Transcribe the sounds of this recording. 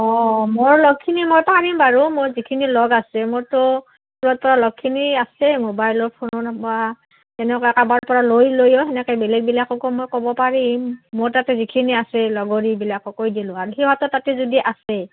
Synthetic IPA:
ɔmoɹlɔɡ̚kʰːinimojpaɹimbaɹumojzikʰinilɔɡasɛmoɹtʊ | puɹɔt̚pɔɹalɔɡ̚kʰːiniasɛmobajlɔɹpʰonɔna | tɛnɛkɔjɛkabaɹpɔɹalojlojɔxɛnɛkɔjbɛlɛɡ̚bilakɔkɔmojkɔbɔpaɹimːoɹtatɛzikʰiniasɛlɔɡɔɹibilakɔkojdilʊ̃aɹuxibatɔtatɛzodiʔasɛ

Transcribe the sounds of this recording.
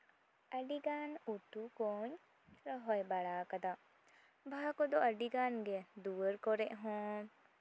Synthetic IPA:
əɖiɡanuʈukɔɲ | ɾɔɦɔjbaɭaːkad̪a | bʱakɔd̪ɔʔəɖiɡanɡɛd̪uəɾkɔɾɛʔɦɔ̃

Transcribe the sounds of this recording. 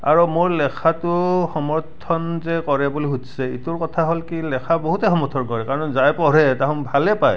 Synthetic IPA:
a̰ɹumoɹlɛkʰatʊxɔmɔɹtʰɔnzɛkɔɹɛbuliɦutsɛḭtʊɹkɔtʰaɦolkilɛkʰaboɦutɛxɔmɔɹtʰɔnkɔɹɛkaɹɔnzajpɔɹɛtaɦɔ̃nbʱalɛpaj

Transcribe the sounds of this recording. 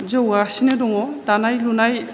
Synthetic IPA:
zowasinɯdɔŋɔtanajlunaj

